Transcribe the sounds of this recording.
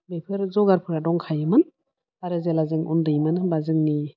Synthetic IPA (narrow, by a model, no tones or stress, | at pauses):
bepʰɯɾzɔɡaɾpʰɯɾadɔŋkʰajɯmɯn | aɾɯzelazɯŋṵndɯjmɯnbazɯŋni